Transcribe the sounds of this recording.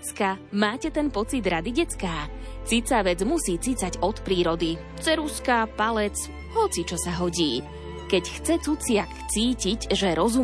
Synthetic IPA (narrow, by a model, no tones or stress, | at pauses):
t͡skamaːcɛt̪ɛnpɔt͡sid̪ɾad̪iɟɛt͡skaː | t͡sit͡saʋɛd͡zmusiːt͡sit͡saɟɔt̪pɾiːɾɔd̪i | t͡sɛɾuskapalɛt͡s | ɦɔt͡sit͡ʃɔsaɦɔɟiː | kɛcxt͡sɛt͡sut͡sɪakt͡siːciɟʒɛɾɔzu